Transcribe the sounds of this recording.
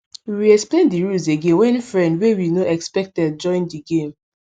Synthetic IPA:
wiiɛksplẽndiɹulzeɡẽnwɛ̃nfɹɛ̃ndwewinoɛkspɛk̚tɛd̚d͡ʒɔ̃ɪ̃ndiɡẽm

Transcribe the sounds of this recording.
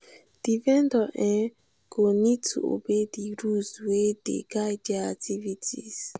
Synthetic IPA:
d̥ivɛndɔʔɛ̃ | ɡ̥onitṵo̰bediɾuzwedḛɡajdaatʰivitʰiz

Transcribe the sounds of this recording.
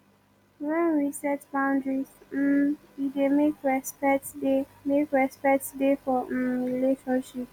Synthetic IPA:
wɛ̃nɹisɛt͡ʃbãʊ̃ndɹiz̩ | idemekɹɛspɛtdemekɹɛspɛk̚tdefɔ̃ɹileʃɔ̃nʃip

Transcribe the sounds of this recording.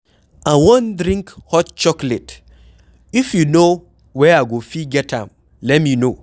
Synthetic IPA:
ʔawɔ̃ndɾĩŋkhɔtt͡ʃɔklɛt | ifjuno | wɛaɡofiɡɛtã̰m | lɛt̚mino

